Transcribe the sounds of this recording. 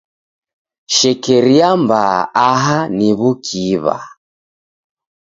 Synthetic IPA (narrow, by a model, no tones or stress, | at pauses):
ʃɛkɛɾiambaːɦaniβukʰiβa̰